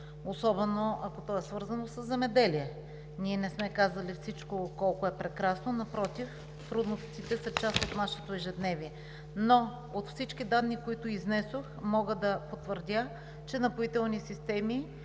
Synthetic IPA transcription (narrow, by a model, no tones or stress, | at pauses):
osɔbɛnoʔɐkot̪ɔɛsvɤɾzɐnosəzːɛmɛd̪ɛliɛ | nʲiɛnɛsmɛkazɐlifsit͡ʃkokɔlˠkoɛpɾɛkɾasnonɐpɾɔt̪if | t̪ɾud̪nost̪sit̪ɛsɐt͡ʃast̪ot̪naʃɛt̪oɛʒɛd̪nɛvʲiɛ | no | ot̪fsit͡ʃkid̪ad̪nikoit̪ʊiznɛsoxmɔɡəd̪ɐpot̪vəɾd̪ʲa | t͡ʃɛnɐpʊit̪ɛlˠnisist̪ɛmi